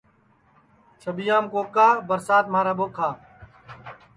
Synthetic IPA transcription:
t͡ʃʰəɓijaːmkoːkaːbəɾsaːt̪̚maːɾaːɓoːkʰaː

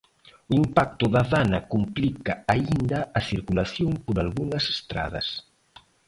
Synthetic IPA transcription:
uimpak̚t̪ʊðaβanakumplikaaind̪ɐːθiɾkulaθjoŋpoɾalɣuŋɐse̥st̪ɾa̰ð̞ɐ̰s

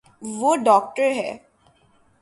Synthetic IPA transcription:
ʋoɖɔːk̚ʈəɾɦɛ̰ː

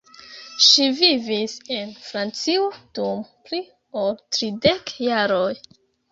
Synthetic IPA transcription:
ʃivivise̞nfɾant͡siod̥umpli | oltɾide̞kjaɾo̞j

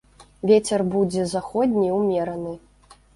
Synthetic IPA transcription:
vʲet͡sʲɛrbud͡zʲɛzaxɔd̪ʲnʲiwmʲɛɾɐnɨ

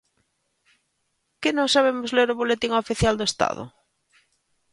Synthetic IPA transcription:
kenõŋsaβ̞emozleɾoβolet̪iŋofiθjald̪oest̪a̰ðo̰

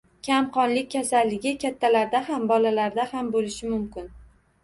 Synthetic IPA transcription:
kʲʰamqɒnlɪk̚ʲʰːasalːɪɡʲɪkʲʰat̪ʰːalaɾd̪ahambɒlalaɾd̪ahambolɪʃɪmʊmkʲɪn

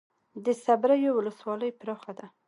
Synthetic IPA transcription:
d̪əsabɾajowʊləswɑləjpɾoxad̪a

